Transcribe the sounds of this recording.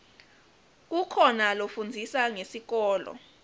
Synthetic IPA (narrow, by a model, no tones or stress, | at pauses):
k̬ukʰɔnalofund͡zʱisaŋesik̬ɔːlɔ̰